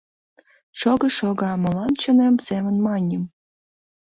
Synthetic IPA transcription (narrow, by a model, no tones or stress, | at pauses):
ʂoɡɤ̆ʂoɡɑmɤ̆lˠɑnt͡ɕɤ̆nemsemɘ̆nmɑnʲə̆m